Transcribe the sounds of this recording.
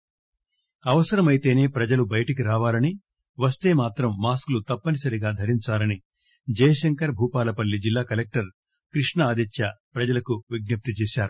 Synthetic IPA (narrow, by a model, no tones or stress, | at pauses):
ɐʋɐsɐɾɐmɐjt̪e̞ːne̞ːpɾɐd͡ʒɐlubɐjɐʈɐkiɾaːʋaːlɐni | ʋɐst̪e̞ːmaːt̪ɾɐmːaːsklut̪ɐpːɐnisɐɾiɡaːd̪ʱɐɾiɲt͡ʃaːlɐni | d͡ʒɐːjɐʃɐŋkɐɾbʱuːpaːlɐpɐlːid͡ʒilːaːkɐlek̚ʈɐɾ | kɾiʂɳɐaːd̪ɐt͡ʃ̪ʰjɐpɾɐd͡ʒɐlɐkuʋiɡ̚nɐp̚t̪it͡ʃɛːʃaːɾu